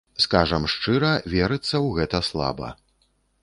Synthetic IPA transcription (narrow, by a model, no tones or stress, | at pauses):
skaʐɐmʂt͡ʂɨɾɐvʲɛɾɨt̪sːɐwɣɛt̪ɐslˠa̰bɐ̰